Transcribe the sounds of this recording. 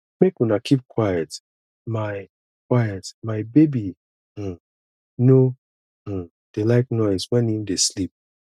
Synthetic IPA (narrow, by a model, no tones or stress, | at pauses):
mekwĩnakʰip̚kʰwajət | maɪ | kʰwajətmaɪbebi | nõ | d̥elaɪknɔɪzwɛ̃nĩmdeslip̚